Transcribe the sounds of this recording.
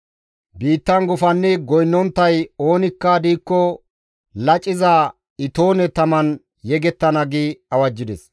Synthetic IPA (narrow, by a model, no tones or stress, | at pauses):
biːt̪ːɐnɡʊfɐnːɛɡɔjnːɔnt̪ːɐjo̞ːnɪkːɐd̪iːkːɔ | lɐt͡ʃʼːɪzɐ | ɪt̪o̞ːnɛt̪ɐmɐn | jɛɡɛt̪ːɐnɐɡiɐwɐd͡ʒːɪd̪ɛs